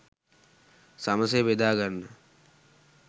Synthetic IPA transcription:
saməs̬eʋed̪aːɡənːə

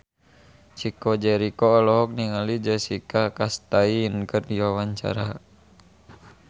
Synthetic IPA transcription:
t͡ʃikɔd͡ʒɛɾikɔːlɔɦɔk̚niŋalid͡ʒəsikakast̪ainkərdiwawaɲt͡ʃa̰ɾa

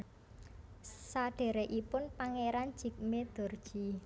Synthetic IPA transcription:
saɖ̥e̤ɾeʔipʊnpaŋeɾan̥d͡ʒ̥i̤k̚med̪̥o̤rd̥ʒ̥i̤

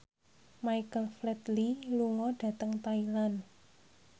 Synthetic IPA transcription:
majkəlflɛt̪liluŋɔɖ̥ä̤t̪əŋt̪ailan

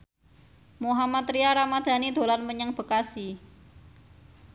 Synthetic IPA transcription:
muɦamat̪ɾiaɾamad̪̥ä̤nid̪̥o̤lanməɲəŋb̥ə̤kasi

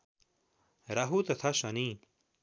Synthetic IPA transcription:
ɾɐɦut̪ɐt̪ʰaɕɐni

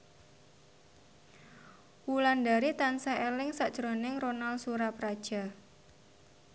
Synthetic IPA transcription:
wulandaɾit̪ansaelɪŋsaʔd̥ʒ̥ɾonɪŋronalsuɾapɾad̥ʒ̥a̤

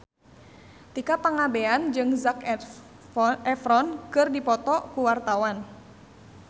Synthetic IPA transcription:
t̪ikapaŋabeand͡ʒɨŋzak | ɛfɾɔnkɨrdipɔt̪ɔkuwart̪awan

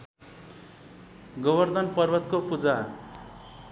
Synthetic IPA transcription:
ɡʌbʌrd̪ʌnpʌrbʌt̪kopud͡za

